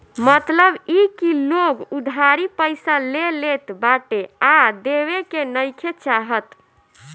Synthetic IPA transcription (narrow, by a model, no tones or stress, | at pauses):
mət̪ləbikiloɡud̪ʱaɾipəɪsalelet̪baʈead̪ewekenəjkʰet͡ʃaɦət̪